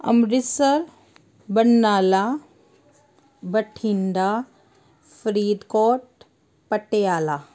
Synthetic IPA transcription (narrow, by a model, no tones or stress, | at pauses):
ɐ̰mɾɪsəɾ | bɐnːaːla | bɐʈʰinɖ̪aː | fɾiːd̪koːʈ̚ | pəʈːejaːlaː